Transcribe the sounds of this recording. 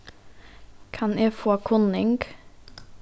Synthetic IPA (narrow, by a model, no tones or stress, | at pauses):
kʰɑneːfoːkʰʊnɪŋɡ